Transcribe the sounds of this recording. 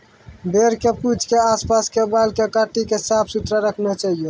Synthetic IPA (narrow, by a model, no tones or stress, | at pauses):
b̪eɾkepud͡ʒkeaspaskebalkekaʈikesapʰsut̪ɾaɾəkʰnet͡ʃaɦijo